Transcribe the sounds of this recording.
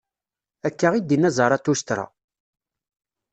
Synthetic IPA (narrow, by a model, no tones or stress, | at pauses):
ækːaʁid̪inːæzˤɑɾˤɑt̪ːust̪ɾa̰